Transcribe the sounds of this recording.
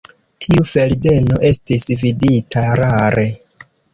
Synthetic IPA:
tʰiufe̞lde̞noʔe̞stisviditʰaɾaɾe̞

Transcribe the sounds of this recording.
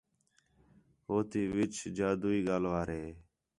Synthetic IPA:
ɦoːt̪iːʋɪt͡ʃd͡ʒaːd̪uːiːɡaːlʋaːɾeː

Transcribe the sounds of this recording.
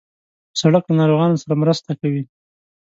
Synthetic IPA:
saɽəklanɑɾoɣɑnosaɾamɾəst̪akawi

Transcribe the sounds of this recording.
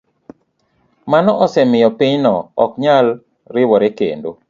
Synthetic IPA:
manɔʔɔsɛmɪjɔpɪɲnɔɔkɲal | ɾɪwɔɾekḛndo̰

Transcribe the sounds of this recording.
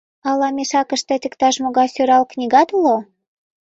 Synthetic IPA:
ɑlɑmʲeʃɑkəʃt̪et̪ʲə̆kt̪ɑʃmoɣɑjsøɾɑlknʲiɣɑd̪lo

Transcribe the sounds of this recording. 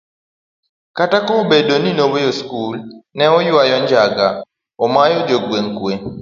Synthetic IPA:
katakɔobedoninobojoskulnɛɔjwajɔɲd͡ʒaɡa̰ | omajɔd͡ʒoɡweŋkwe

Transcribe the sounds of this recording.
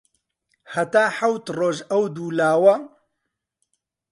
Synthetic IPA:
hɐt̪aːħɐwt̪roːʒɐwd̪uːlaːwɐ

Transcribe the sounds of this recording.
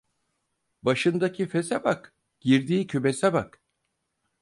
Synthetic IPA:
baʃɯnd̪acʰifesabak | ɟ̥iɾd̪iːcʰybesabak

